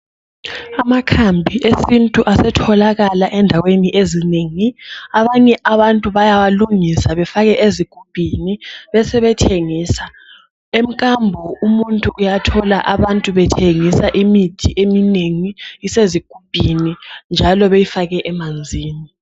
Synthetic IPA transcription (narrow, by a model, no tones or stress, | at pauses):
amakʰambʱiʔesintʼuʔasɛtʰɔlaɣalaʔɛndʱaweniʔezineŋiaβaɲɛʔaβantʼuβajawaluŋisaβɛfaɣɛʔeziɡ̥ʱub̥ʱiniβɛsɛβɛtʰeŋiːsa | em̩kʼambʱɔumuntʼuʔujatʰɔlaʔaβantʼuβɛtʰeŋisaʔimitʰiʔemineŋiiseziɡ̥ʱub̥ʱinind͡ʒʱalɔβejifaɣɛʔɛmand͡zʱiːni